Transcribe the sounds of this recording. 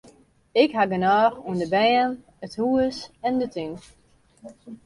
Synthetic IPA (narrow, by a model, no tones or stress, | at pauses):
ɪkɦaɡənaːxuəndəbɛːən | əthuəsɛndətyn